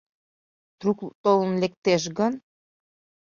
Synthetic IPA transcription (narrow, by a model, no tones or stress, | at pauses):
t̪ɾukt̪olənlek̚t̪eʃ̬ɡən